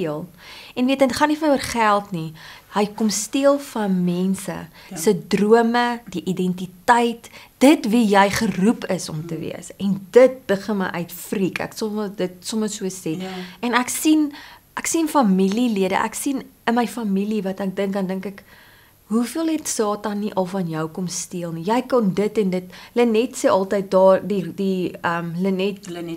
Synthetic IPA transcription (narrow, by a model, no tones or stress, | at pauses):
iəlˠ | ɛnviətənχɐnifənərχælˠtnihəjkɔmstiəlˠfɐnmɛnsə̰ | sədruəmədiʔidɛntitəjtd̥ətvijəjχərupəsɔ̰mtəvḭəsɛndət̚b̥əχənməjʔœɥtfrikæ̰ksɔmədətsɔməsuəsɛtɛnæksinʔæksinfɐmililiədə̰ʔæ̰ksinənməjfɐmilivɐtæk̚dəŋkɡɐndəŋkæk | ɦufiəlˠɦɛtsɑːtɐnːiʔɐlˠfɐnjəwkɔmstiəlˠnijɛjkɐndətɛndətlənɛtseːʔɐlˠtəjt̚dɑːdidiəmlənɛt̚